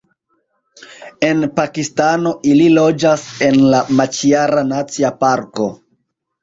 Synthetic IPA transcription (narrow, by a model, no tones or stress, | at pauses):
e̞npakistano̞ʔililo̞d͡ʒase̞nlamat͡ʃiaɾanat͡siapaɾko̞